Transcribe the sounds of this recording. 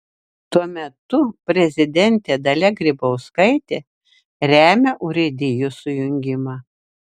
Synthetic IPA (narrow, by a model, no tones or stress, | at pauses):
t̪uɔmʲɛt̪ʊpʲɾʲɛzʲɪd̪ʲɛnʲt̪ʲeːd̪ɐlʲɛɡɾʲɪbɐʊskɐɪt̪ʲeː | ɾʲæːmʲɛʔʊɾʲɪd̪ʲɪjʊsʊjʊŋʲɡʲɪmɑː